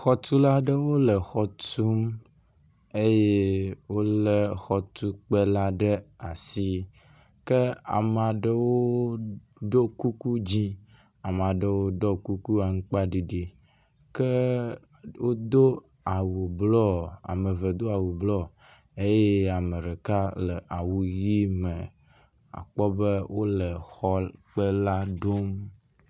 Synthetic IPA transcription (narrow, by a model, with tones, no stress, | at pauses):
xɔ˦t̪u˦la˦ɖe˦wo˦lɛ˨xɔ˦t̪u˦m | e˦je˦wo˦le˦xɔ˦t̪u˦k͡pe˦la˦ɖe˦a˨si˦ | ke˦a̰˨m˨a˨ɖe˦wo˦ | ɖo˦ku˦ku˦d͡ʑi˦ | a˨m˨a˨ɖe˦wo˦ɖɔ˦ku˦ku˦a˨ŋ̩˦k͡pa˦ɖi˨ɖi˨ | ke˦ | wo˦d̪o˦ | a˨wu˨blɔ˦a̰˨mə˨və˨d̪o˦a˨wu˨blɔ˦ | e˦je˦a˨mə˨ɾe˨ka˦lə˨ʔa˨wu˨ji˦mə˨ | a̰˨k͡pɔ˦be˦wʔo˦lə˨xɔ˦k͡pə˦la˦ɖo˦m